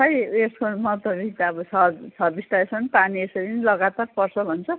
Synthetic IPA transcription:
ʌjeskomʌt̪ʌbit̪ʌbʌsʌsʰʌbisʈ̪aesʌnpaniesʌɾinilʌɡat̪arpʌrsʰʌbʱʌnt͡sʰʌ

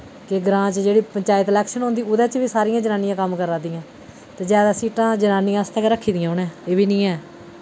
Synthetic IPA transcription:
kɪɡɾãːt͡ʃd͡ʒeːɽiːpəɲt͡ʃaːjət̪lɛːkʃənɦõːnd̪iːʊd̪ɛ̃ːt͡ʃʋiːsaːɾijãːd͡ʒənãːnɪjãːkəmkəɾaːd̪iːãː | t̪eːd͡ʒɛːd̪aːsiːʈãːd͡ʒənaːnĩjãːst̪ʰɛ̃ːkːɾəkʰːiːd̪ɪjãːɦonɛ̃ːeːʋiːnĩːɛː

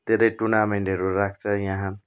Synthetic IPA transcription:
t̪eɾʌjʈunameɳʈɦʌɾuɾak̚ʰt͡sʰʌjãɦã

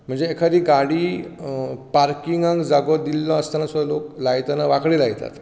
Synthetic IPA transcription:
m̤əɳnd͡zeːkʰəd̪iːɡaɽiː | paɾkiŋɡãŋɡd͡zaɡɔ̃d̪ilːɔ̃əst̪anasuloklajt̪anaʋakɽiːlajt̪a̰t̪

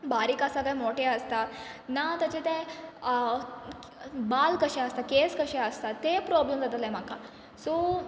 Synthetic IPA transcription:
baɾiːkasakajmoʈeəst̪anat̪ət͡ɕet̪e | balkəɕɛəst̪akeskəɕɛəst̪at̪ːepɾɔblemd͡zat̪əlaẽm̤aka | so

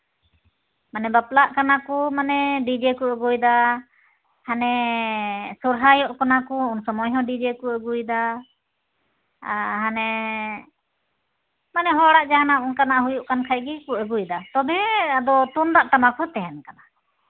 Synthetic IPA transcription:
manɛbaplaʔkanakumanɛɖid͡ʒɛkuəɡujd̪a | hanɛ | suɾɦajɔʔkanakuunsɔmɔjɦɔ̃ɖid͡ʒɛkuəɡujd̪a | ɦanɛ | manɛɦɔɽaʔd͡ʒanaʔunkanaʔɦujuʔkankʰajɡikuəɡujd̪at̪ɔbɛad̪ɔt̪und̪aʔʈ̪amakʰɔt̪ɛɦɛnkana

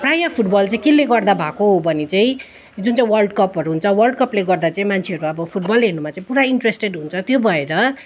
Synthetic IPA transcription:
prajʌpʰuʈbʌlt͡sãĩkilːeɡʌrd̪abʱakoɦobʱʌnit͡sãĩ | d͡zunt͡saĩwʌrlɖkʌpɦʌɾuɦunt͡sʰʌwʌlɖkʌpleɡʌrd̪at͡saĩmant͡sʰeɦʌɾuʌbʌpʰuʈ̚bʌlɦernumat͡sãĩpuɾaiɳʈresʈeɖɦunt͡sʰʌt̪jobʱʌeɾʌ

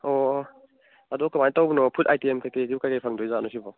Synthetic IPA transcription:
ɔ | adɔkɯmajtawbunɔpʰutajtiemkajkediukajkajpʰaŋdɔjzanɔsibɔ

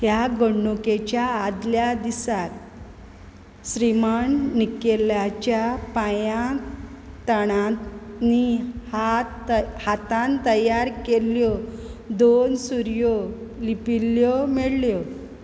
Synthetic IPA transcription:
hjaɡoɳɖuket͡ɕjaːd̪ljad̪isat̪ | ɕɾimaɳːikelat͡ɕjapajã | t̪əɽ̃anihat̪ | hat̪ãnt̪əjaɾkeljɔd̪onsuɾjɔlipilːjɔmɛɽljɔ

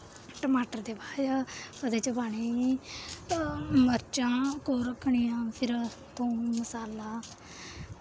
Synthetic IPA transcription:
ʈəmaːʈəɾd̪eːbaːjkəd̪eːt͡ʃəbaːɳ̃iː | məɾt͡ʃãːkoːɾəkʰːɳijãːpʰɪɾ | t̪õːməsaːlaː

